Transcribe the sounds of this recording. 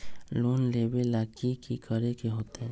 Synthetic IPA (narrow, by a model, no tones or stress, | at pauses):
loːnleːbelaːkikikəɾekeɦoːt̪eɦɛ̃ː